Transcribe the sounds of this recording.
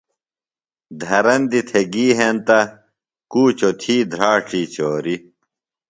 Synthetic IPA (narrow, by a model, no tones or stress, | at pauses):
d̪ʱɐɾɐnd̪it̪ʰeɡiːɦent̪ɐ | kuːt͡ɕot̪ʰiːd̪ʱɾaːʈ͡ʂʰiːt͡ɕoːɾi